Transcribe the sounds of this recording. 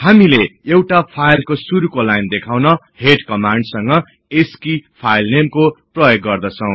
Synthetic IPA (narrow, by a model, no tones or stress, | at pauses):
hamileewʈapʰajlkosuɾukolajnd̪ekʰawnʌ | heʈkʌmaɳɖsʌŋɡʌ | eskipʰajlnemkoprʌjoɡːʌrd̪ʌt͡sʰʌw̃